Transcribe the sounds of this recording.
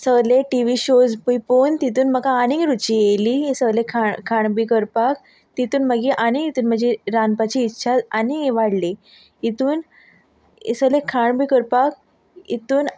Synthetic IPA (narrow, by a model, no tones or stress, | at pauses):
səleʈiʋiɕod͡zpujpont̪it̪uːnməkaːnĩŋɡɾut͡ɕijeliesəɡlekʰaɳkʰaɳbikəɾpak̚ | t̪it̪uːnməɡiʔanĩŋit̪uːnm̤əd͡ʑeɾanpat͡ɕiːtːɕʰad͡zanieʋaɽli | it̪uːn | ḭsəlekʰaɳbikəɾpak̚ | ḭt̪uːn